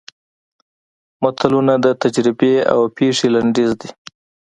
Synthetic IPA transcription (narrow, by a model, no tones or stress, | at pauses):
mʊt̪ʰalunad̪ət̪ad͡ʒɾɪbea̰wpeʂelaɳɖezd̪i